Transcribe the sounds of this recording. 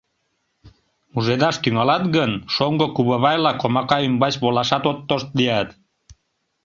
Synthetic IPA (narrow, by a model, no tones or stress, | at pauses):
muʒed̪ɑʃt̪yŋɑlɑt̪ɣənʃoŋɡokuβəβɑjlɑkomɑkɑymbɑt͡ɕβolɑʃɑt̪ot̪ːoʃt̪̚lijɑt̪